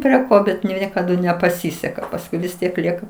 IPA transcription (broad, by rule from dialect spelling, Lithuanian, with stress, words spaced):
pʲrʲiɛ ˈkoː ˈbʲɛt nʊ ˈnʲiɛkɐdʊ nʲɛpɐˈsʲɪsʲɛkɐ pɐsˈkʊɪ ʋʲɪs ˈtʲiɛk ˈlʲiɛkɐ